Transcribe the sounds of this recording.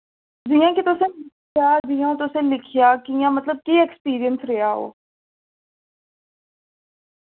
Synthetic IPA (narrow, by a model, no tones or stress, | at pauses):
d͡ʒijãːkɪt̪ʊsẽːlɪkʰjaːd͡ʒijãːũːt̪ʊsẽːlɪkʰɪjaːkijãːmət̪ləb̚kiːɛːkspiːɾijənsɾeɦaːɦo̰ː